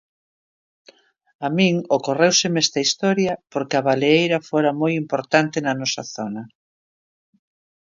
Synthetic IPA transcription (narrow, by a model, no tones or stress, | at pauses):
amĩŋokorewsemɛst̪ɐist̪ɔɾjɐpoɾkɪɐβaleejɾɐfoɾɐmojimpoɾt̪ant̪enɐnɔsɐθonɐ